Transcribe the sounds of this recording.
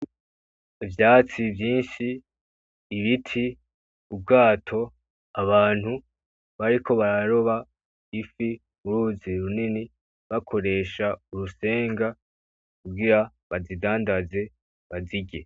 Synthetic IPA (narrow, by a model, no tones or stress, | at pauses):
vjaːt͡sivjiːnʃiː | βitʰi | ubɡaːtʰo̞ | aβaːn̥hu | βaɾikʰo̞βaɾaɾo̞βa | ifi | muɾuːziɾunini | βakʰo̞ɾe̞ːʃauɾuse̞ːŋɡa | kuɡiɾa | βazidaːndaze̞ | βaziɡe